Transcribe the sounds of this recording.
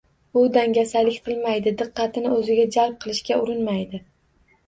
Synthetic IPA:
ʊd̪aŋɡʲasalɪkʲqʰɨlˠmajd̪ɪd̪ɨqːɑt̪ʰɪnɪɵzɪɡʲad͡ʒalˠp̚qʰɨlˠɪʃkʲaʊɾɪnmajd̪ɪ

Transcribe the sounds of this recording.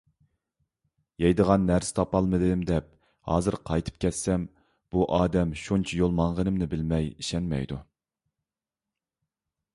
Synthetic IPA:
jɛjd̪əʁɑnːæɾsɪ̥t̪ʰɑpɑlˠmɨd̪ɨmd̪ɛp̚ | hɑːzɨɾqʰɑjt̪ʰɨ̥p̚kʲɛt̪sɛm | b̥uʔɑːd̪ɛmʃunt͡ʃʰɛjolˠmɑŋʁənɨmnɪbɪlmɛjiʃɛnmɛ̰jd̪u

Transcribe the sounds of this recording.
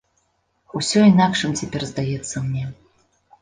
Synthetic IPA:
usʲɔinakʂɨmt͡sʲapʲɛrzd̪ajɛt̪sːɐmnʲɛ

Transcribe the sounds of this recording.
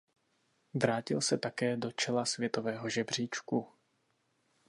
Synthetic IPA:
vɾaːcɪlsɛt̪akɛːdo̞t͡ʃɛlasvjɛt̪o̞vɛːɦo̞ʒɛbr̝̥iːt͡ʃku

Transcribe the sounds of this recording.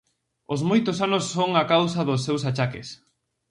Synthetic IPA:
ozmojt̪ʊsanosːoŋakawsɐðʊsːewsat͡ʃakɪ̰s

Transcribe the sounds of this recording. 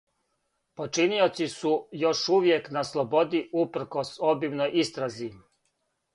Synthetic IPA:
po̞t͡ʃinio̞t̪sisujo̞ʃuʋjeknaslˠobo̞d̪iupɾ̩ko̞sobimnojʔist̪ɾazi

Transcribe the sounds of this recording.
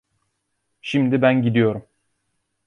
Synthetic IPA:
ʃimd̪ibænɟid̪ijo̞ɾum

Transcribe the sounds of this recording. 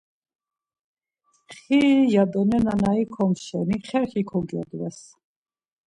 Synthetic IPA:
χijad̪ɔnɛnanaikʰɔmʃɛniχɛɾχikʰɔɡɔ̰d̪wɛs

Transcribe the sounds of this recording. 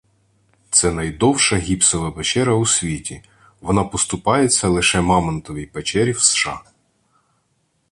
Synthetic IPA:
t̪sɛnɐjd̪ɔwʃɐɦʲipsɔʋɐbet͡ʃɛɾɐusʲʋʲitʲi | ʋɔnɑpɔst̪ʊpɑjet͡sʲːɐlˠɪʃɛmɑmɐnt̪ɔʋʲijpet͡ʃɛɾʲiwsʃɑ

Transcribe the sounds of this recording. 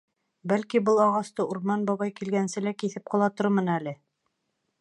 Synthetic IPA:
bælkibɤlˠɑʁɑst̪ɤʔuɾmɑnbɑβɑjkilɡænsɘlækiθɘp̚qŏlˠɑt̪oɾmɤnælɘ

